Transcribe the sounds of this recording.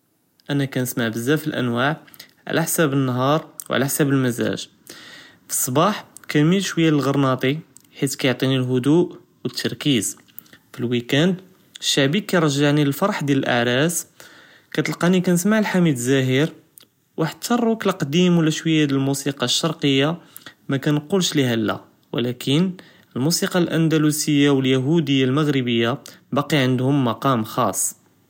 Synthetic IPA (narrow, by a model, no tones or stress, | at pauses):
ʔænækænəsmaʕbəzːæfilʔæ̰nwaʕ | ʕa̰lʔæ̰ħsæbənːɦɑɾˤwʕ̰læħsæbəlməzæ̰ʒ | fi̥sˤːbɑħkænmilʃwəjːaləlɣɑɾˤnɑt̪ˤi | ħit̪kæjoʕt̪ˤinilɦʊd̪uʔ | wət̪ʰːɑɾˤkiz | filwikænd̪ | ʃːaʕbikːæjɾˤɑʒːaʕniləlfɑɾˤħd̪jæləlʔa̰ʕɾæs | kæt̪əlqɑnikænəsmaʕəlħamid̪zæɦəɾ | wʔaħd̪̚t̪ʰːɑrˤːuklqd̪imwlːæʃwəjːæd̪əlmusiqɑʃːɑɾˤqəjːa | mækænqulʃliɦælːæ̰ | wə̰lækʰən | əlmusiqɑlʔænd̪ælusəjːawəljæɦud̪əjːalməɣɾəbəjːabɑqiʕənd̪hʊmːɑqɑmxɑ̰sˤː